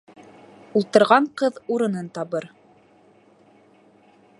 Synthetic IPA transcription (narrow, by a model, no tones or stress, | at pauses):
ulˠt̪ɤ̆ɾʁɑɴqɤðuɾɤ̆nɤnt̪ɑβɤɾ